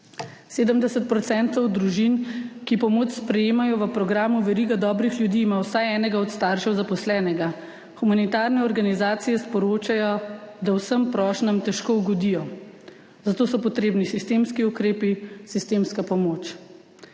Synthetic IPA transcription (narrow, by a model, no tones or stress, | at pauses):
seːd̪əmd̪ɛsət̪̚pɾɔt̪sɛːnt̪ɔwd̪ɾuʒinkipɔmoːt͡ʃspɾɛjeːmajɔʋəpɾɔɡɾaːmuʋɛɾiɡad̪ɔːbɾixlʲjud̪iːmaːwsajɛːnɛɡaɔt̪st̪aːɾʃɛwzapɔslɛːnɛɡa | xumanit̪aːɾnɛɔɾɡanizaːt̪sijɛspɔɾoːt͡ʃajɔd̪awsəmpɾɔːʃnəmt̪ɛʃkouɡɔd̪ijɔ | zat̪oːsɔpɔt̪ɾeːbnisist̪eːmskiukɾeːpisist̪eːmskapɔmoːt͡ʃ